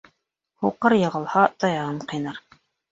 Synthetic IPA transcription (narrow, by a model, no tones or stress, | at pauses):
huqɤɾjɤ̆ʁɤ̆lˠhɑt̪ɑjɑʁɤɴqɤ̆jnɑɾ